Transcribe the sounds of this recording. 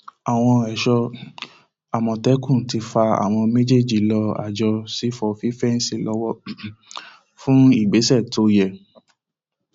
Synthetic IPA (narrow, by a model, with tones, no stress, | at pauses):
a˨w̃ɔ̃˧ɛ˨ʃɔ˧ | a˨mɔ̃˨tɛ˨˦kũ˦˨ti˧fa˧a̰˨w̃ɔ̃˧mẽ˦d͡ʒe˦˨d͡ʒi˦˨lɔ˧a̰˨d͡ʒɔ˧si˨˦fɔ˨fi˨˦fɛ˦n̩˦si˦˨lɔ˨˦wɔ˦ | fũ˦i˦˨ɡ͡be˨˦sɛ˦˨to˧˦jɛ˨